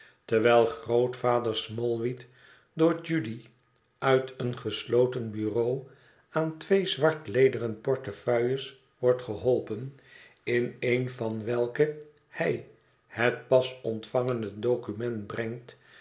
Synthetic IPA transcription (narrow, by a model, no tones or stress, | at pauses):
təɹʋɛlˠχrowtfaːdəɹsmɔlˠʋit | dʊːɹd͡ʒydi | ʔœɥtʰənχəslowtənbyrow | aːntʋejzʋɑɹtlejdərənpɔɹtəfœɥəs | ʋɔɹtχəɦɔlˠpən | ɪnejnvɑnʋɛlˠkə | hɛj | hət̚pɑsɔntfɑŋəndədowkymɛnd̚brɛŋt